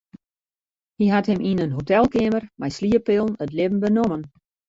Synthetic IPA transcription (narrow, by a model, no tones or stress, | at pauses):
hiɦathɪmʔinənɦotɛlˠkɪmərmɛjsliəpɪlˠnətlɪbən̩bənomən